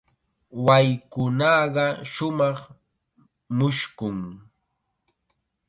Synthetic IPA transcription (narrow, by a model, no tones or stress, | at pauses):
wajkʊnɑɢɑʃʊmɑχ | mʊʃkʊŋ